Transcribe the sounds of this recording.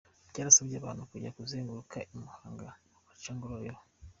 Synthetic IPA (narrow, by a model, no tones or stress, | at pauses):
caːɾasabɟaːβa̰ːnukuɟakuzeːŋɡuɾukʰaʔimuhaːŋɡa | kat͡ʃaːŋɡoɾojo